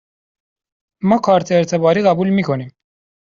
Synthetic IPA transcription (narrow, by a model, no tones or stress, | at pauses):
mɑːkʰɑːɾt̪ʰeeɾt̪ʰebɑːɾiɣæbuːlmikʰoniːm